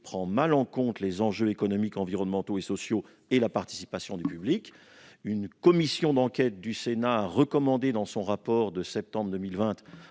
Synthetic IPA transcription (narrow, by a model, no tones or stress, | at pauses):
pχɑ̃malɑ̃kɔ̃t̪lezɑ̃ʒøekɔnɔmikɑ̃viʁɔnmɑ̃t̪oesɔsjo | elapaʁt̪i̥si̥pasjɔ̃d̪ypyblik | ynkɔmisjɔ̃d̪ɑ̃kʲɛt̪̚d̪ysenaːʁəkɔmɑ̃d̪ed̪ɑ̃sɔ̃ʁapɔʁd̪əsɛp̚t̪ɑ̃bʁd̪əmilvɛ̃t̪